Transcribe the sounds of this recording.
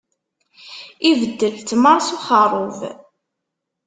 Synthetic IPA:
ivəd̪ːəlt̪məɾˤsuχəɾˤov

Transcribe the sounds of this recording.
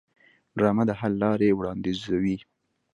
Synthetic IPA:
ɖɾɑmad̪əɦalːɑɾewɽɑnd̪izawi

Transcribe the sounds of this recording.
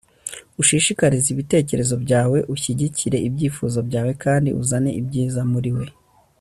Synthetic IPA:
uʃiʃikaɾiziβite̞ːce̞ɾe̞zo̞bɟaːwe̞ʔuçiɟiciɾe̞ibɟiːfuzo̞bɟaːwe̞kaːndḭʔṵzane̞̰ʔibɟiːzamuɾiwe̞

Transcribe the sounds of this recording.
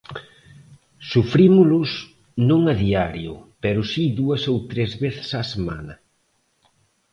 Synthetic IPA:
sufɾimʊlʊs | nõŋɐðiaɾjʊ̰pɛɾʊsiðuɐsowt̪ɾezβeθɪ̥sasema̰nɐ

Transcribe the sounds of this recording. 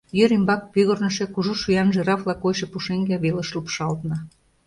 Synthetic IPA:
jøɾimbɑk̚pyɣornə̆ʃĕkuʒuʃyjɑnʒeɾɑflɑkojʃepuʃeŋɡæβelə̆ʃlupʃɑlt̪nɑ

